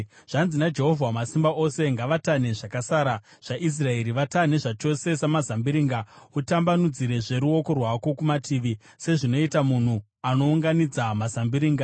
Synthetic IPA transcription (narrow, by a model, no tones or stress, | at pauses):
ʐ̥anzinad͡ʒe̞ɦo̞vʱwamasimbaʔo̞se̞ŋɡaʋatane̞ʐakasaːɾa | ʐ̥aʔis̬rae̞ɾiʋatane̞ʐat͡ʃo̞se̞samazambiɾiːŋɡautambanud͡ziɾe̞ʐe̞ɾuo̞ko̞rwako̞kumatʰiːʋi | se̞ʐino̞itamun̤u | ano̞uŋɡanid͡zamazambiɾiːŋɡa